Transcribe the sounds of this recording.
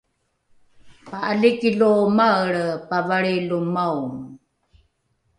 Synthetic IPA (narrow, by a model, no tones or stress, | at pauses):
paalikilomaɭpavaɭilumawm